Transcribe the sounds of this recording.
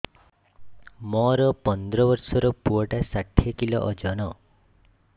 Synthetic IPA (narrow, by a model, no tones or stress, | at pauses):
mɔɾɔpɔnd̪ɾɔbɔɾsɔɾɔpuɔʈasaʈʰːjekilɔ̰ʔɔd͡ʒɔnɔ